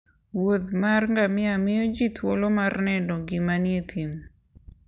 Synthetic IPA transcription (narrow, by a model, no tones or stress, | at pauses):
wot̪marŋɡamɪamɪjod͡ʒit̪ʰwolomarnɛdɔɡɪmanjet̪ʰim